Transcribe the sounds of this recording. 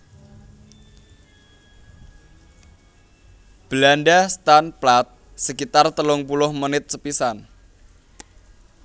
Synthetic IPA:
b̥əlanɖast̪anplat̪̚ | səkit̪art̪əlʊŋpulʊhmənɪt̪̚səpisan

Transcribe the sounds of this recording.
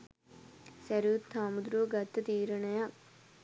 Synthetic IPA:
sɐɾuːt̪ʰːaːmud̪ɾuːɡɐt̪ːɐt̪iːɾɐɳɐja

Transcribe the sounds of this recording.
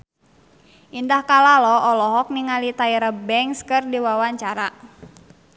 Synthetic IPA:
ʔindahkalalɔɔlɔɦɔk̚niŋalit̪aiɾəbɛŋskɨrdiwawaɲt͡ʃaɾa

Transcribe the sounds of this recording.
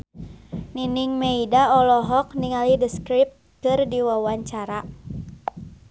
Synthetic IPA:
niniŋmeidaɔlɔɦɔk̚niŋalidəskɾip̚t̪̚ | kɨrdiwawaɲt͡ʃaɾa

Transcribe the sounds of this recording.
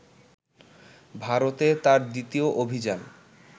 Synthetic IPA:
bʱaɾot̪et̪aɾd̪it̪ioʔobʱid͡ʑan

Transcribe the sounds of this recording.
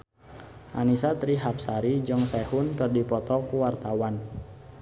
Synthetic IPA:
ʔa̰nisat̪ɾiɦap̚saɾid͡ʒɨŋsɛhʊnkɨrdipɔt̪ɔkuwart̪awan

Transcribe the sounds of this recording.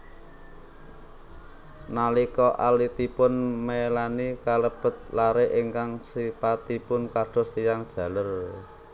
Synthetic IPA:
nalikɔʔalit̪ipʊnmelanikaləb̥ə̤t̪̚laɾeʔiŋkaŋsipat̪ipʊnkaɖ̥ɔ̤st̪ijaŋd̥ʒ̥ä̤lər

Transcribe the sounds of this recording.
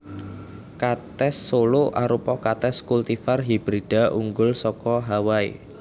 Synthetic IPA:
kat̪ɛsːoloʔaɾupɔkat̪ɛskult̪ifarɦib̥ɾid̥aʔṵŋɡʊlsɔkɔɦawaḭ

